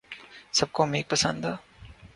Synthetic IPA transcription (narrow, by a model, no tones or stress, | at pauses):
sɐb̚komeːk̚pɐsə̰̃nd̪aː